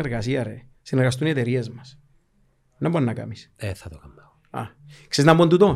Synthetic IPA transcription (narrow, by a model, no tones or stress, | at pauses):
eɾɣas̬iaɾesineɾɣas̬t̪uniet̪eɾiezmas | nambonːaka̰miseθat̪okamba | a̰kseznamːont̪ut̪o